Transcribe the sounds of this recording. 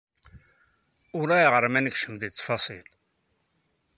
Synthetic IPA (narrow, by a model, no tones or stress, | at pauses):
ʊɾæjʁəɾˤmænkʃəmd̪it͡sːfɑsˤil